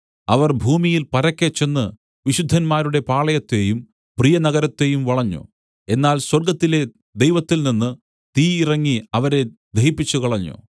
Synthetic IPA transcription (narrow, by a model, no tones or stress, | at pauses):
ɐʋɐrbʱuːmijilpɐɾɐkʲːet͡ɕːe̞nːɨ | ʋiɕud̪ʱːɐnmaːɾuɽe̞paːɭɐjɐt̪ːe̞jum | prijɐnɐɣɐɾɐt̪ːe̞jumʋɐɭɐɲːṵ | e̞nːaːlswɐrɡɐt̪ːile̞ | d̪ejʋɐt̪ːilninːɨ | t̪iːirɐŋːiɐʋɐɾe̞d̪ʱeɦipːit͡ɕːukɐɭɐɲːṵ